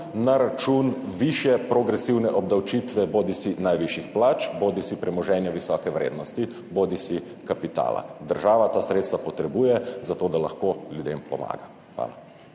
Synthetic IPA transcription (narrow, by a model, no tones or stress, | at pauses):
naɾat͡ʃunʋiʃjɛpɾɔɡɾɛsiwnɛʔɔbd̪awt͡ʃit̪ʋɛboːd̪isinajʋiʃixplaːt͡ʃboːd̪isipɾɛmɔʒɛːnjɛʋisɔkɛʋɾḛːd̪nɔst̪i | boːd̪isi | kapit̪a̰ːla̰d̪əɾʒaːʋat̪aːsɾeːt̪st̪ʋapɔt̪ɾɛbuːjɛzat̪oːd̪ala̰xkoljud̪empɔ̰ma̰ːɡa | xʋa̰ːla